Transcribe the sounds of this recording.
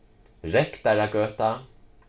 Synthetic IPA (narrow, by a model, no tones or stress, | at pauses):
ɾɛkt̪aɾaɡøːt̪a